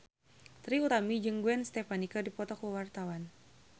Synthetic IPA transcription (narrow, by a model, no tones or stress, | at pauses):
t̪ɾiut̪amid͡ʒɨŋɡuɛnst̪ɛpanikadipɔt̪ɔkuwart̪awan